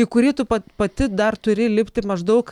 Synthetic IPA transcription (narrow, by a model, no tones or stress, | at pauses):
ikʊɾʲiːt̪ʊpɐpɐt̪ʲɪd̪ɐrt̪ʊɾʲɪlʲɪpʲt̪ʲɪmɐʒd̪ɐʊk